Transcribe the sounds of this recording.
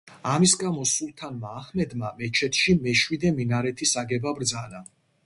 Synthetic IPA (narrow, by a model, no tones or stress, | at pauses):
amisɡamɔsulˠt̪ʰanmaːhmɛd̪mamɛt͡ʃʰɛt̪ʰʃimɛʃwid̪ɛminaɾɛt̪ʰisaɡɛbabɾd̪zana